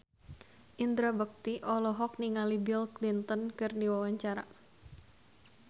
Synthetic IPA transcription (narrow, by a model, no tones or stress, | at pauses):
ʔind̪ɾabək̚t̪iʔɔlɔɦɔk̚niŋalibilklint̪ənkɨrdiwawaɲt͡ʃaɾa̰